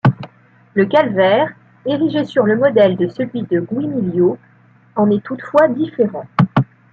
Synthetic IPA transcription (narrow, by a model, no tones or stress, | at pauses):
ləkalvɛːʁ | eʁiʒesyʁləmɔd̪ɛld̪əsəlɥid̪əɡwimiljo | ɑ̃nɛt̪ut̪fwad̪ifeʁɑ̃